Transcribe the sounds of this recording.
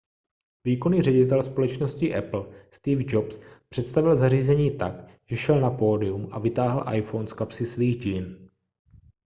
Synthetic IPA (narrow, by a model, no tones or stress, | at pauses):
viːkoniːrɛɟɪt̪ɛlspo̞lɛt͡ʃnoscɪʔɛpl̩st̪iːvd͡ʒopspr̥ɛt̪st̪avɪlzaɾiːzɛɲiːt̪akʒ̥ɛʃɛlnapoːdɪumʔa̰vɪt̪aːɦl̩ʔa̰jfownskapsɪsviːɣɟin